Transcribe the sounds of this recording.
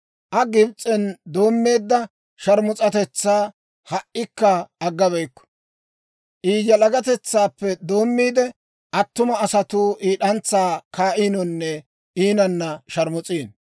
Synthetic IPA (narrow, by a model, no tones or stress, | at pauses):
ʔɐɡɪbt͡sʼːɛnd̪o̞ːmːe̞ːd̪ːɐ | ʃɐɾmʊt͡sʼɐt̪ɛt͡sːaː | hɐʔːɪkːɐːɡːɐβɛjkːɔ̥ | ʔiːjɐlɐɡɐt̪ɛt͡sːaːpːɛd̪o̞ːmːiːd̪ɛ | ʔɐt̪ːʊmɐːsɐt̪uːʔiːɗɐnt͡sːaːkaːʔiːnɔnːɛ | ʔiːnɐnːɐʃɐɾmʊt͡sʼiːn